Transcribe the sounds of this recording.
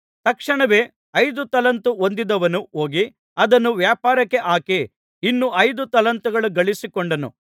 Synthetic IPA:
t̪ɐkʂɐɳɐʋeː | ɐjd̪ut̪ɐlɐnt̪uond̪id̪ɐʋɐnuoːɡi | ɐd̪ɐnːuʋjaːpaːɾɐkːe̞ʔaːki | inːuʔɐjd̪ut̪ɐlɐnt̪uɡɐɭuɡɐɭisikoɳɖɐnṵ

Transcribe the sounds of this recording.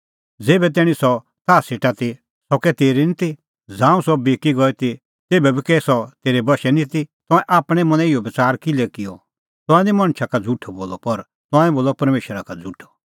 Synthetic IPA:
d͡zeːbɛt̪̬ɛːɽ̃ĩsɔ | t̪aːseːʈat̪i | sɔkɛt̪eːɾinit̪ʰi | d͡zãːũsɔbeːkiɡɔɛt̪ʰi | t̪eːbɛbikɛsɔt̪eːɾɛbɐʃɛnĩt̪it̪ɔ̃ɛ̃ʔaːpɽ̃ɛ̃mɐ̃nɛ̃ɪjɔbɐt͡saːɾkɪlɛkɪjɔ | t̪ɔ̃ɛ̃d̪imɐ̃ɽ̃t͡ʃʰakad͡zuʈʰːɔboːlɔpɐɾ | t̪ãːɛ̃boːlɔpɐɾmeːʃɾakad͡zuʈʰɔ̥

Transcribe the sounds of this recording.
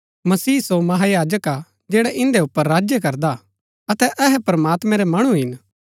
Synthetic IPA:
mɐsiːsomɐɦajaːd͡ʒəka | d͡ʒɛːɽɛʔɪ̃nd̪eʊpːəɾːaːd͡ʒjək̬ɐɾd̪a | ɐt̪ɛʔɛɦɛpɾɐmaːt̪mɛ̃ɾɛmɐɽ̃ũɦɪn

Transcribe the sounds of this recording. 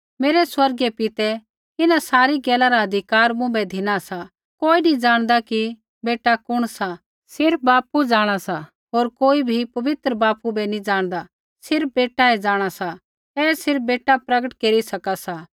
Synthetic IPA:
meːɾɛswɐɾɡɛpɪt̪ɛ | ɪnasaːɾiɡɛːlaɾaɦɐd̪ʱɪkaːɾmʊ̃bɛd̪ʱɪnasa | koːinĩd͡ʒaːɽ̃d̪aki | beːʈakʊɽ̃sa | sɪɾp̚baːpud͡ʒaːɽ̃asa | ɦoːɾkoːibʱipɐʋɪt̪ɾəbaːpubɛnĩd͡ʒaːɽ̃d̪a | sɪɾp̚beːʈaɛd͡ʒaːɽ̃asa | ɛːsɪɾp̚beːʈapɾɐɡəʈkeːɾisɐkasa

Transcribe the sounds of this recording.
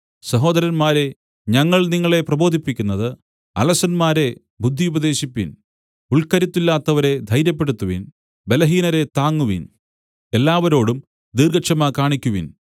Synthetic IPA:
sɐɦo̞ːd̪ɐɾɐnmaːɾe̞ | ɲɐŋːɐɭniŋːɐɭe̞prɐbo̞ːd̪ʱipːikʲːunːɐðɨ | ɐ̰lɐsɐnmaːɾe̞ | bʱud̪ʱːiubɐd̪e̞ːɕipːin | uɭkɐɾit̪ːulːaːt̪ːɐʋɐɾe̞d̪ʱɐjɾjɐp̬ːe̞ɽut̪ːuʋḭn | be̞lɐɦiːnɐɾet̪aːŋːuʋḭn | e̞lːaːʋɐɾo̞ːɽum | d̪irɡɐkʂɐmakaːɳikʲːuʋin

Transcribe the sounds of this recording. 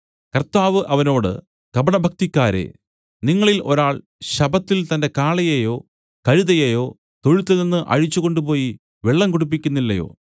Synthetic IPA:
kɐrt̪aːʋɨʔɐʋɐno̞ːɽɨ̰ | kɐbɐɳɐbʱɐk̚t̪ikʲːaːɾe̞̰ | niŋːɐɭilʔo̞̰ɾaːɭ | ɕɐbɐt̪ːilt̪ɐnde̞kaːɭɐjejo̞ː | kɐɻuðɐjejo̞ː | t̪o̞ɻut̪ːɐnenːɨʔɐ̰ɻit͡ɕːuɣo̞ɳɖupo̞ːji | ʋeɭːɐŋkoɽup̬ːikʲːunːilːɐjo̞̰ː

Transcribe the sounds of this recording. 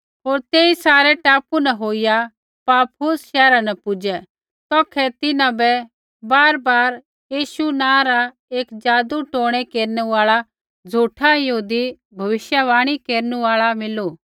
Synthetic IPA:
ɦoːɾt̪eːisaːɾɛʈaːpunɛɦoːɪja | paːpʰosʃɛːɾanɛpʊd͡ʒɛ | t̪ɔːkʰɛt̪ɪnãbɛ | baːɾbaːɾ | jiːʃunãːɾa | eːkd͡ʒaːd̪uʈoːɽ̃ɛkeːɾnuaːɭa | d͡zʱuːʈʰajɐɦuːd̪i | bʱɐʋɪʃjaʋaːɽ̃ikeːɾnũaːɭamɪlo

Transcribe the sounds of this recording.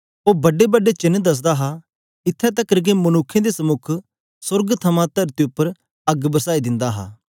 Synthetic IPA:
oːbɐɖebəɖet͡ʃɪnd̪ɐs̬d̪aɦa | ɪt̪ʰːɛt̪ɐkːəɾɡemɐnʊːkʰːẽd̪esəmʊkʰ | sʊɾɡt̪ʰɐmãt̪ɐɾt̪iʊpːəɾ | ɐɡbəsaːid̪ɪ̃nd̪aːɦa̰ː

